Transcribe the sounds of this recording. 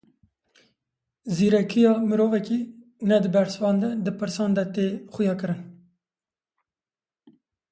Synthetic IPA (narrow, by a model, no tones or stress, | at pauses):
ziɾɛkʰijɑməɾoːvɛkinɛd̪əbæɾswɑːnd̪ɛd̪əpɨɾsɑːnd̪ɛt̪exujɑːkɨɾɨn